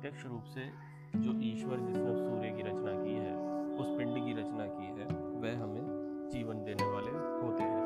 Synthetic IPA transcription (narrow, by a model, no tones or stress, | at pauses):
ʈekʃɾuːpse | d͡ʒoːʔiːʃʋəɾd͡ʒɪsnesuːɾekiɾɐt͡ʃnakiɦɛːʊspɪ̃ɳɖkiɾɐt͡ʃnakiɦɛːʋɛɦɦɐmẽ | d͡ʒiːʋənd̪eːneʋaːle | ɦoːt̪eɦɛ̃ː